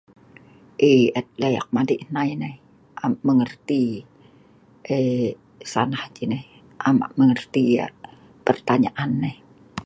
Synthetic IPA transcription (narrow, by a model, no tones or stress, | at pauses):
ʔeət̪̚leja̰k̚madiʔnaineh | ʔamaʔməŋərt̪i | ʔe | sa̰nahd͡ʒinɛh | ʔama̰ʔməŋərt̪ia̰ | pərt̪aɲaʔanːeh